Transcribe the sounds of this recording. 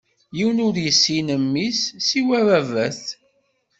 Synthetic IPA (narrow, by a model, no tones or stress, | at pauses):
jiwənʊɾjəsːinəmːisːiwæɾævæθ